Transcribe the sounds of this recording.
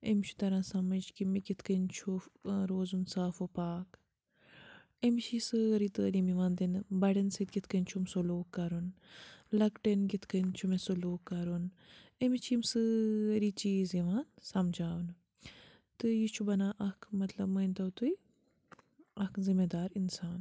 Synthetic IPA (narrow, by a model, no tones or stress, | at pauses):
emʲt͡ʃʰu̥t̪ɐɾãːsɐmɐd͡ʒkimiɡʲit̪ʰkənt͡ʃʰuɾoːzunsaːfopaːk | emt͡ʃʰisɨɾit̪əːliːmiʋãːnd̪inbɐɽɐnsɨt̪̚ɡʲit̪ʰkɐnt͡ʃʰumsoloːkːɐɾunlɐkʈɐnɡit̪ʰkɐnt͡ʃʰumesoloːkːɐɾunemit͡ʃʰimsɨɾit͡ʃiːziʋaːnsɐmd͡ʒaːwn | t̪ɨjit͡ʃʰubɐnãːʔɐkʰmɐt̪lɐbmənʲt̪ɐwt̪ui | ɐkzimed̪aːɾinsaːn